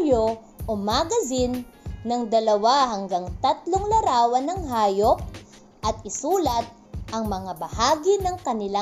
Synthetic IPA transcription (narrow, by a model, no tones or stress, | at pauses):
jo | ʔʊmaːɡɐzɪnː | ɐŋd̪ɐlɐwaɦɐŋɡaŋt̪ɐt̪loŋlɐɾaːwɐnɐŋɦaːjop̚ | ʔɐt̪̚ɪsuːlɐt̪̚ | ʔɐŋmɐŋabɐhaːɡɪnɐŋkɐnɪla